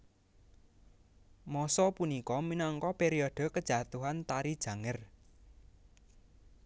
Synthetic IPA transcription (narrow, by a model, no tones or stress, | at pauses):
mɔsɔpunikɔminɔŋkɔpeɾiɔɖ̥ɔ̤kəd̥ʒ̥a̤t̪uɦant̪aɾid̥ʒ̥ä̤ŋər